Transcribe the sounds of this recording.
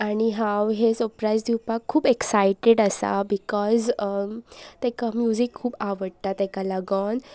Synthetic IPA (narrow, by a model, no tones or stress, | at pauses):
aɽ̃iɦãwɦesəɾpɾajd͡zd̪iwpakkʰːuːbeksajʈeɽəsa̰bikɔz | t̪ɛ̃kamjud͡ʑikʰːuːbaʋəɽt̪at̪ɛkalaɡən